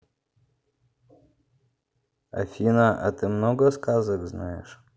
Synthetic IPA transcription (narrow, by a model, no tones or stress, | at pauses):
ɐ̰fʲinəʔa̰t̪ɨmnoɡəskazəkznajɪ̰ʂ